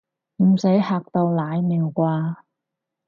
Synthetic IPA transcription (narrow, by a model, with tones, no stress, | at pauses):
m̩˨˩se˨˥jhaː˨˧k̚t̪o˧wlaː˨˥jmiː˨˩wkʷaː˧